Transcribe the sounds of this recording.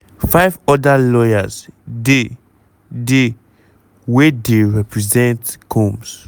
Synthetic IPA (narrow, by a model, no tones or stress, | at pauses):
faɪvɔdalɔjazde | de | wedeɹɛpɹizɛ̃ntkʰɔ̃ms